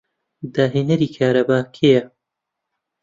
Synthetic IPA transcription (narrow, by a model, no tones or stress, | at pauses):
d̪aːɦeːnɐɾiːkʰaːɾɐbaːkʰejɐ